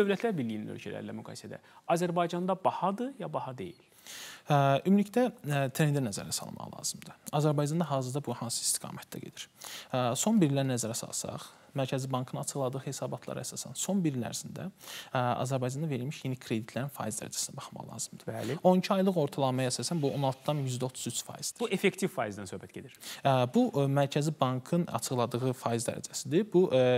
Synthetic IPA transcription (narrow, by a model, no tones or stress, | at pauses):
d̥̪ø̞vlæt̪ʰlæɾbiɾlːijininø̰lcʰælæ̰ɾlæ̰myɡɑ̰ːjsæd̪æ̰ɑzæɾbɑjd͡ʒɑnd̪ɑbɑhɑd̪ɯjɑbɑhɑd̪e̞̰jil | ymylict̪æt̪ʰɾend̪ænæzæ̰ɾæsɑ̰lˠmɑ̰ʁlˠɑ̰ːz̥ɯmd̪ɯɑzæɾbɑjd͡ʒɑnd̪ɑɦɑːzɯɾd̪ɑbuhɑnsɯ̥i̥st̪i̥ɡ̥ɑ̰ːmæt̪̚d̪æ̰ɟe̞̰d̪iɾ̥ | so̞nbiɾlæɾnæzæɾæsɑ̰lˠsɑ̰χ | mæɾcʰæzibɑŋkʰɯnɑɑt͡ʃʰɯɣlˠɑd̪ɯːhe̞sɑːbɑt̪ʰlˠɑ̰ɾæsɑːsæ̰nso̞nbiɾlæ̰ɾizind̪æ̰ | ɑ̰zæɾbɑjd͡ʒɑnd̪ɑve̞ɾilmiʃjenikʰɾe̞d̪it̪ʰlæɾinfɑ̰ːizd̪æ̰ɾæd͡ʒæsinæbɑχmɑ̰lˠɑ̰ːzɯmd̪̥ɯ̥lo̞nicʰiɑjlˠɯɣo̞ɾt̪ʰɑlˠɑmɑjɑːsɑsænbuʔo̞nɑlˠt̪ʰɯd̪ɑnjyzd̪æo̞t̪ʰuzyt͡ʃʰfɑ̰ːjiz̥d̪i̥efekt̪ʰivfɑːizd̪ænsø̞hbæt̪̚ḛd̪iɾbuʔmæɾcʰæzibɑŋkʰɯnɑ̰t͡ʃʰɯɣlˠɑd̪ɯʁɯfɑːizd̪æ̰ɾæ̰d͡ʒæsid̪ibuʔ